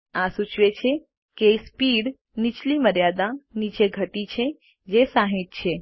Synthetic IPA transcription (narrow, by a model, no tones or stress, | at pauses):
asut͡ʃʰʋet͡ʃʰe | kespiɽ | nit͡ʃliməɾjad̪anit͡ʃeɡʱət̪it͡ʃʰe | d͡ʒesaɦet̪̚t͡ʃʰe